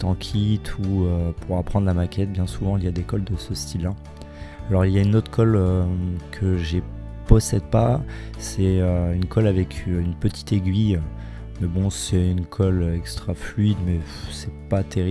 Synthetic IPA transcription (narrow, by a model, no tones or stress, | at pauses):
t̪ɑ̃kʲʰit̪ʰuøpʰuʁapχɑ̃d̪ʁlamakʲɛt̪̚bjɛ̃suvɑ̃iljad̪ekɔld̪əsəst̪ʰila | alɔʁiljaynot̪χkʰɔløkʰəʒepɔsɛd̪̚pasɛøynkʰɔlavɛkʲʰynpət̪ʰi̥t̪eɡʲɥi | mɛbɔ̃sɛynkʰɔlɛkst̪χaflɥid̪mɛ | sɛpat̪ʰeʁi